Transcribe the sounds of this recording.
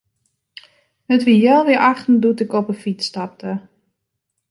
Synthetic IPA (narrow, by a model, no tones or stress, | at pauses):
ətʋijɛlˠʋɪəʔaxtn̩dutɪkɔpəfitstap̚tə